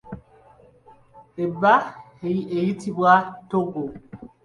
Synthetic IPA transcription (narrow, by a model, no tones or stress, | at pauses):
eba | eejitibwatoɡo